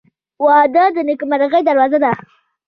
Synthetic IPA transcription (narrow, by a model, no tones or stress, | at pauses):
wɑd̪əd̪ənɪkmaɾaɣəjd̪aɾwɑzad̪a